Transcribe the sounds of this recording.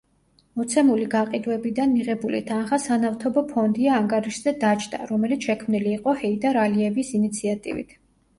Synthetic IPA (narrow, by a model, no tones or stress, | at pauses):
mɔt̪sʰɛmuliɡaqʼid̪wɛbid̪anːiʁɛbulḭt̪ʰanχasanaft̪ʰɔbɔpʰɔnd̪iaːŋɡaɾiʃz̥ɛd̪at͡ʃʰd̪a̰ɾɔmɛlit̪sʰʃɛkʰmniliːqʼɔhɛid̪aɾaliɛvisinit̪sʰiat̪ʼḭvḭt̪ʰ